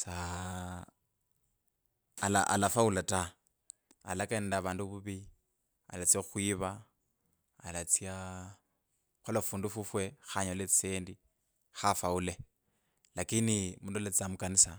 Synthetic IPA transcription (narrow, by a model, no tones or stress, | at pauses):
t͡sa | la̰ʔa̰lafaulatʼa | a̰lakɛndaβaːnduβuβi | a̰lat͡siaxwiβaː | lat͡sia | xulafundufufwɛxaɲɔlet͡st͡seːndi | xafaulɛ | lakinimundɔlet͡samukanisa